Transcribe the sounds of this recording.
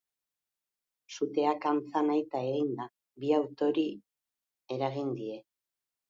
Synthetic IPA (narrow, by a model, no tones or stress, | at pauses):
sut̪e̞akant͡sanajt̪ae̞ɣind̪a | biawt̪o̞ɾi | e̞ɾaɣind̪ie̞